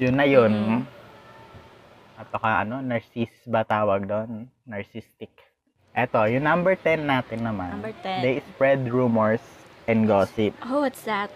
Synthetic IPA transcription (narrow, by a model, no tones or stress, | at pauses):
jʊnːɐjon | ʔɐt̪okɐʔɐ̰no̞nɐɹsisbɐt̪aːwɐɡ̚d̪o̞nː | ɐɹsist̪ɪk | ʔɛt̪o̞jʊŋnambɛɹt̪ɛnːaːt̪ɪnːɐmand̪ejspɹɛd̪ɹuːmɛɹsʔɛnd̪ɡoːsɪp̚owɐt̪sdat̪̚